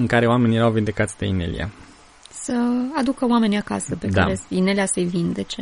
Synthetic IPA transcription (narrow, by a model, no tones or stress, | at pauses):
ɨŋkaɾe̞oame̞nʲjeɾawvind̪e̞kat̪sʲd̪einḛlḭja̰ | səad̪ukəwame̞niaka̰səpe̞k̪aɾesine̞leasəjvind̪e̞t͡ʃe̞